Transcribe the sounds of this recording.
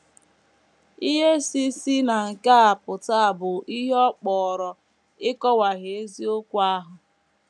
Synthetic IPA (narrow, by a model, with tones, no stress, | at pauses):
i˦ɦe˦si˦si˦na˨ŋ̩˨ka˦a˨pʊ˨ta˦a˨bʊ˨ʔi˦ɦe˦ɔ˦k͡pɔː˨ɾɔ˨ | ɪ˦kɔ˦wa˨ɣe˨e˦zi˦o˦kʷa˦ɦʊ˨